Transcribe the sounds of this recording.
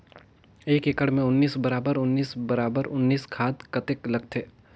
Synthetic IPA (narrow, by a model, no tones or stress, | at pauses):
eːkekəɽmẽʊnːiːsbɐɾaːbəɾʊnːiːsbɐɾaːbəɾʊnːiːskʰaːd̪kɐt̪ɪklɐɡ̚t̪ʰeː